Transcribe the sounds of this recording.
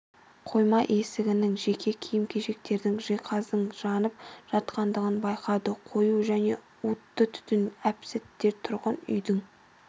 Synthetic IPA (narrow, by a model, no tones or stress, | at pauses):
qʰo̞jmɑʔe̞sɪɡʲɪnɪŋʒekʲʰe̞kʲʰijɪmkʲʰe̞ʒe̞k̚t̪e̞ɾd̪ɪŋʒejqʰɑzd̪əɴʒɑnəp̚ʒ̥ɑt̪qɑnd̪əʁənbɑjqʰɑd̪əqʰo̞juʒæne̞̰ | ut̪ːət̪ʰʏ̥t̪ɪnæpsɪt̪ːe̞ɾt̪ʰʊɾʁɑnʏ̰jd̪ɪŋ